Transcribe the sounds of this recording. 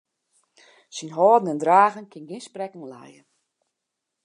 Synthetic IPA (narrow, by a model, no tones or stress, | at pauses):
sinɦɔːdən̩ɛndraːɣənkɪnɡɪnsprɛkunlɛ̰jə